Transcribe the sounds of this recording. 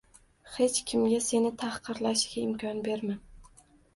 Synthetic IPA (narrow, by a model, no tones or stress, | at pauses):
he̞t͡ʃkʲʰɪmɡʲase̞nɪt̪ʰahqʰɨɾlaʃɡʲaɪmkʲʰɒnbe̞ɾman